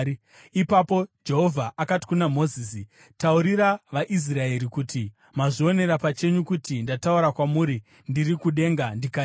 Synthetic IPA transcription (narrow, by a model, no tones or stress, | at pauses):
ipapo̞d͡ʒe̞ɦo̞vʱaʔakati̥kunamo̞ziːsi | tauɾiɾaʋaʔis̬rae̞ɾikuti | maʐio̞ne̞ɾapat͡ʃe̞ɲukutindatauɾakwamuɾi | ndirikuɗe̞ŋɡandika